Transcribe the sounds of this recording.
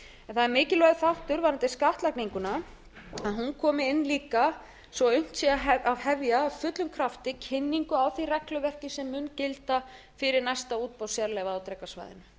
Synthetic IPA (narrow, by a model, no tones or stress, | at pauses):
ɛnθaðɛɾmɪːcɪlɔɣθawht̪ʏɾvaɾant̪ɪskaht̪lakniŋkʏna | aðɦunkʰɔːmɪɪnːliːka | svɔʏɥm̥t̪siaɦɛavɦɛvjaːfʏt̪lʏmkʰɾaft̪ɪcʰɪnːiŋkʏawθirɛklʏvɛr̥cɪsɛmːʏncɪlt̪a | fɪɾɪɾnajst̪auːt̪̚pawsjaɾlɛvaawt̪ɾɛkasva̰jðɪ̰nʏ